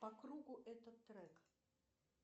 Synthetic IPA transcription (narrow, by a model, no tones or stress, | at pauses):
pɐkɾuɡʊʔɛt̪ət̪ːɾɛk